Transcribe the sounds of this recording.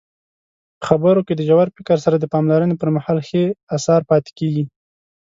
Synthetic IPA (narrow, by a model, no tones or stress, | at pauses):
pə̥xabəɾoked̪əʒawaɾpɪkaɾsaɾad̪əpɑmlaɾənepəɾmahɑlxeasɑɾpɑt̪e̥keɡi